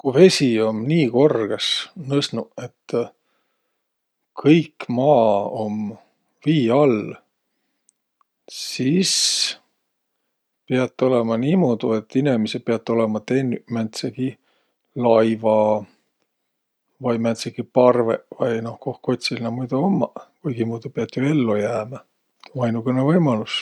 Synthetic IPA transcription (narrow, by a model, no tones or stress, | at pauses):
kuve̞sʲio̞mniːko̞rɡ̥esnɤsnue̞t̪ː | kʰɤjkmɑːom | viːɑl | sis | piɑt̪ːˑo̞lemɑniːmoːd̪̥ue̞t̪ːinemese̥peɑt̪ːˑo̞lemɑt̪e̞nmænt̪seɡ̥i | lɑjvɑ | vɑjmænt̪seɡ̥ipɑrvevɑjno̞hko̞hko̞t̪ʲsilnɑmujd̪̥uomːɑ̰kujɡ̥imoːd̪̥upeɑt̪ːˑjoe̞lːojæːmɑ | ɑjnukˑenevɤjmɑlus